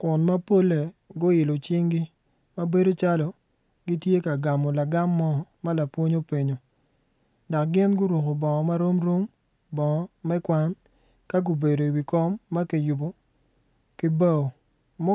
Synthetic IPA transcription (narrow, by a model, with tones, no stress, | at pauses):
kʊ˨nma˦po˦le˨ɡʊ˦ɪ˨lo˨t͡ʃi˦ŋɡi˦ | ma˦be˦do˦t͡ʃa˦lɔ˨ | ɡi˦tje˦ka˨ɡa˨mɔ˨la˨ɡa˦mːɔ˦ma˦la˨pwo˦ɲo˦pe˨ɲo˨ | da˨k̚ɡɪ˦nɡʊ˦ɾu˨ko˨bɔ˨ŋɔ˨ma˦ɾo˦mɾo˦m | bɔ˨ŋɔ˨mɛ˦kwa˦n | ka˦ɡʊ˨be˨do˨i˨wi˨kɔ˦mːa˦ke˨ju˨bo˨ | kɪ˦ba˦o˨ | mɔ˦